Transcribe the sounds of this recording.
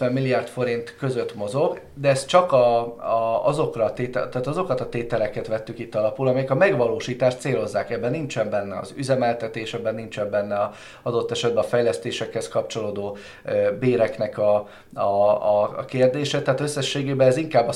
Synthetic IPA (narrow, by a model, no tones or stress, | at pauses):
ɛmːilːijaːrt̪fo̞ɾint̪kø̞zø̞t̪mo̞zo̞ɡ | d̪ɛɛst̪t͡ʃɒkɒ | ɒzo̞krɒt̪eːt̪ɛt̪aːt̪ɒzo̞kɒt̪ɒt̪eːt̪ɛlɛkɛt̪ʋɛt̪ːykit̪ːɒlɒpulɒmɛjɛkɒmɛɡʋɒloːʃiːt̪aːʃt̪seːlo̞zːaːkɛbːɛnːint͡ʃɛmbɛnːɛɒ̰zyzɛmɛlt̪ɛt̪eːʃɛbːɛnːint͡ʃɛmbɛnːɛɒ | ɒd̪o̞t̪ːɛʃɛd̪̚bɛɒfɛjlɛst̪eːʃɛkhɛskɒpt͡ʃo̞loːd̪oː | beːɾɛknɛkɒ | ɒ̰ː | keːrd̪eːʃɛt̪ɛaːt̪ø̞sːɛʃːeːɡeːbɛːziŋkaːbːɒ